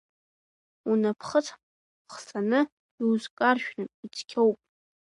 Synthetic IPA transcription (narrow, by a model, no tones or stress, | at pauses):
unapʰχət͡sʰ | χsʼanɨ | izkʼarʃᶣrɨnit͡sʰkʲʰowpʼ